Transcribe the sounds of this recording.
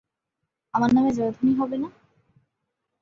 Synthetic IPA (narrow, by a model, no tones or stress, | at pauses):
amaɾnamed͡ʑoɾd̪ʱuniɦɔbena